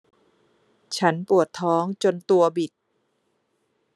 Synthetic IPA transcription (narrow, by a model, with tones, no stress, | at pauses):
t͡ɕʰa˦˥npu˨˩ət̪ʰːɔː˦˥ŋt͡ɕo˧nt̪u˧ɐbi˨˩t̪̚